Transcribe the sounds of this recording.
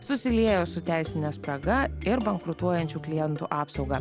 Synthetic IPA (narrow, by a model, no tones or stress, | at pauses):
sʊsʲɪlʲiɛjoːsʊt̪ʲæɪsʲɪnʲɛspɾɐɡɐɪɾbɐŋkɾʊt̪uɔjɛnʲt͡ʃʲuːklʲɪjɛnt̪ṵːʔɑːpsɒʊɡɐ